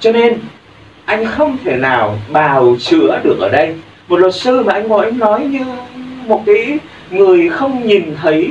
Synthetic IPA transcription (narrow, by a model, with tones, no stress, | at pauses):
t͡ɕɔ˧ne˧n | ʔa˧jŋ̟xə˧wŋ͡mt̪ʰe˧˩naː˨˩wɓaː˨˩wt͡ɕɨ̰˧˥əɗɨ˨˩ək̚ʔəː˧˩ɗə˧j | mo˨˩t̚lwə˨˩t̚sɨ˧maː˨˩ʔa˧jŋ̟kɔ˨˦ʔa˧jŋ̟nɔ˨˦jɲɨ˧mo˨˩t̚kaː˨˦j | ŋɨ˨˩əjxə˧wŋ͡mɲi˨˩nt̪ʰə˨˦j